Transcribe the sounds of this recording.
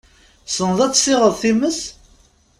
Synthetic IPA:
sənəðˤæt͡sːsɪʁəðˤθiməs

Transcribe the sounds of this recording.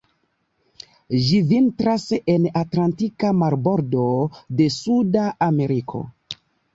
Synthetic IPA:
ʒivintɾase̞natlantikamaɾbo̞ɾdo̞de̞sudaːme̞ɾikʰo̞̰

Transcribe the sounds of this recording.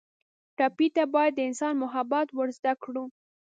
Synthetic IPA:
ʈɑpit̪abɑjad̪ːəɪnsɑnmʊɦabat̪wəɾzd̪akɽu

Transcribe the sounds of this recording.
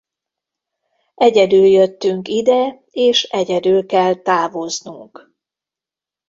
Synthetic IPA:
ɛɟɛd̪yljøt̪ːyŋkid̪ɛ | eːʃɛɟɛd̪ylkɛlt̪aːvo̞znuŋk

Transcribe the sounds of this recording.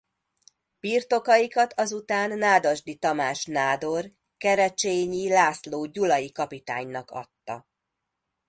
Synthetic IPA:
b̥iːrt̪o̞kɒjikɒt̪ʰɒzut̪aːnːaːd̪oʒd̪it̪ɒmaːʃnaːd̪o̞r | kɛɾɛt͡ʃeːɲilaːsloːɟulɒjikɒpit̪a̰ːɲnɒkɒ̰t̪ːɒ̰

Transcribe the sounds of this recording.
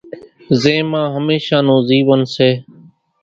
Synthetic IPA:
zeːmãːɦəmeːʃaːnoːziːʋənseː

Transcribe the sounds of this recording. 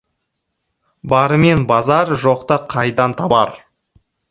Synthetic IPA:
bɑɾəme̞nbɑzɑɾʒoqt̪əqʰɑjd̪ɑnt̪ʰɑbɑ̰ɾ

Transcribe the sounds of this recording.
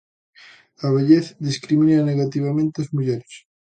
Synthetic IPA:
aβ̞eʎeθd̪iskɾimĩnaneɣat̪iβ̞amẽnt̪eazmuʝeɾes

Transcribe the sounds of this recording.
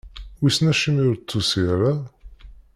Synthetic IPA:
wisnæʃimjʊɾt͡s̪ːusiɾa

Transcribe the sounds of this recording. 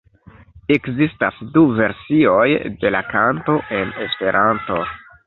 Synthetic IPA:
e̞kzistasduve̞ɾsio̞jde̞lakanto̞ʔe̞ne̞spe̞ɾʔanto̞

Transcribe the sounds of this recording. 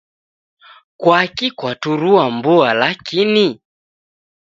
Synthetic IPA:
kwakikwatuɾuambualakini

